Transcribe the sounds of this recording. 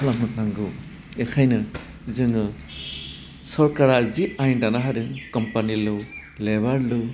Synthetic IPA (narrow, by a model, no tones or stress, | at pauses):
lamɯt̚naŋɡɯw | ekʰajnɯ | zɯŋɯ | sɔɾkaɾaziʔajndanaɦaɾɯnkɔmpanilɯw | lebaɾlɯw